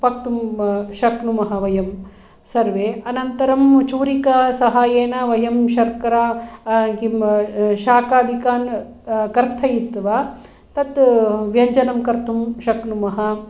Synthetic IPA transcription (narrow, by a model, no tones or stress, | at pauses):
pɐk̚t̪umʃɐknumɐɦɐʋɐjɐm | sɐɾʋeːɐnɐnt̪ɐɾɐmt͡ʃuːɾikɐsɐɦaːjeːnɐʋɐjɐmʃɐɾkɐɾaːkimʃaːkaːd̪ʱikaːn | kɐɾt̪ʰɐjupt̪ʋaː | t̪ɐt̪ʋjɐɲd͡ʒɐnɐmkɐɾt̪ʰumʃɐknumɐɦɐ